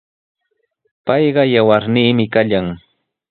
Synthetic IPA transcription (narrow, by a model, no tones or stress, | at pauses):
pɑjɢɑjawaɾniːmɪkaʎaŋ